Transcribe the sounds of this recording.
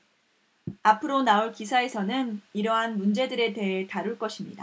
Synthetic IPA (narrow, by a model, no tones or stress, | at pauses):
apʰɯɾonauɭkisʰae̞sʰʌnɯniɾʌɦanmund͡ʑe̞dɯɾe̞te̞ɦe̞taɾuɭk͈ʌɕʰimɲida